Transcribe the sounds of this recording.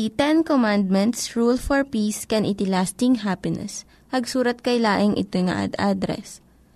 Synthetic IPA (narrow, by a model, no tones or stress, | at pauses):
it̪ɛnkomand̪̚mɛnt̪sɹulfɔɹpiːskɛnʔɪt̪ɪlast̪ɪŋɦapɪnɛ̰s | pɐɡsuːɾɐt̪̚kɐjlaːʔɪŋʔɪ̰t̪ojŋa̰ʔa̰d̪ad̪ɾɛ̰s